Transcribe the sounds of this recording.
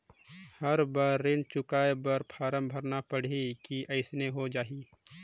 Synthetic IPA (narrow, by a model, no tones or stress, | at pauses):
həɾbaɾːɪnt͡ʃʊkaːebəɾpʰaːɾəmbʱəɾnapəɽ̤ikiʔɐɪsneɦod͡ʒaːɦiː